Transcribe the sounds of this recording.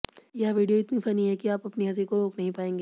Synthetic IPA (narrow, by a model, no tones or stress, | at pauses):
jɐɦʋiːɖijoɪt̪nifɐniɦɛkiaːpɐpniɦɐz̬ekoɾoːknɐɦĩpaːẽːŋɡeː